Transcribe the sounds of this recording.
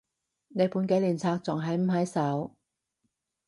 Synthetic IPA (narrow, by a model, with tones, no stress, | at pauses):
ne˨˧jpuː˨˥nke˨˥jliː˨˩nt͡sʰaː˧k̚t͡sʊ˨˩ŋɦɐ˨˥jm̩˨˩ɦɐ˨˥jsɐ˨˥w